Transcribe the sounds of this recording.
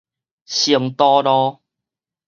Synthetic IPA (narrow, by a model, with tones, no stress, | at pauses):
ɕi˨˩ŋt̪ɔ˦ɾɔ˦